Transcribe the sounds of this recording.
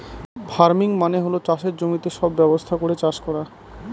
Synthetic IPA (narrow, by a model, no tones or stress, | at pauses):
bʱaɾmiŋmaneɦolot͡ɕaʃeɾd͡ʑomit̪eʃɔbːɛbost̪ʰakoɾet͡ɕaʃkɔɾa